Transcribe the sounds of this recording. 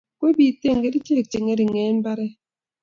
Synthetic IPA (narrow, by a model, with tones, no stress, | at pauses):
kwe˦bi˨te˦˨ŋɡe˦ɾi˦t͡ʃe˦˨k̚t͡ʃe˨ŋe˦ɾi˨ŋe˨˦m̩˦ba˦ɾɛ˦